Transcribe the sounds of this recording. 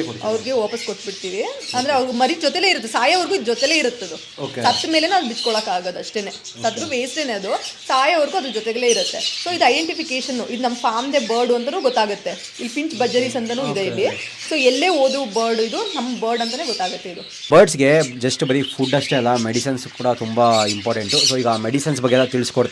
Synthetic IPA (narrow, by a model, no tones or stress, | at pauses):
ɐʋɐɾiɡe̞ʋaːpɐskoʈːbiʈt̪iːʋiɐnd̪ɐɾeɐʋɾɡumɐɾid͡ʒɔt̪eleːiɾut̪ːesaːjɐʋɐɾɡuid̪ud͡ʒɔt̪ele̞ːiɾut̪ːɐd̪u | oksɐt̪ːmele̞naːʋbit͡ʃkoɭɐːkaːɡoːd̪ɐʂʈeːne̞ː | sɐd̪ɐɾuʋeːsʈeːneɐd̪usaːjɐʋɐɾɡuɐd̪ud͡ʒɔt̪ɛɡɐle̞ːiɾut̪ːe̞so̞ːid̪uɐjɖeɳʈipikeːʃɐnːuʔid̪unɐmːɐpʰaːmd̪e̞bɐːɾɖuɐnt̪ɐnuːɡɔt̪ːaːɡɐt̪ːe̞ | ilːpiɲt͡ʃbɐd͡ʒɐɾisɐnt̪ɐnuːid̪eilːi | soːɛlːeːoːd̪ubɐːɾɖid̪unɐmːɐbɐːɾɖɐnt̪ɐne̞ːɡɔt̪ːaːɡɐt̪ːe̞id̪u | bɐːɾɖsɡe̞d͡ʒɐsʈubɐɾipʰuːɖnɐʂʈeɐlːɐmeɽisɐnskːuːɽɐt̪umbɐimpaːɾʈeɳʈusoːiːɡɐaːmeɽisɐnsbɐɡːeɛlːɐt̪iɭskoɽt̪